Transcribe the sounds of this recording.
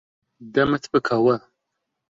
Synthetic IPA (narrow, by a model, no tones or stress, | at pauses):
dɐmɨtʰbɨkʰɐwɐ